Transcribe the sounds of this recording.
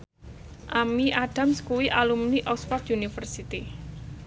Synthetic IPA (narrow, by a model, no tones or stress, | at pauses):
ʔamiʔaɖ̥a̤mskuwiʔalumniʔɔkspɔt̪junifərsit̪i